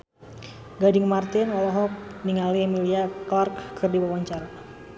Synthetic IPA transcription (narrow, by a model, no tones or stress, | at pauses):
ɡadɪŋmart̪ɪnɔlɔɦɔk̚niŋalimiliaklarkkʰɨrdiwawaɲt͡ʃaɾa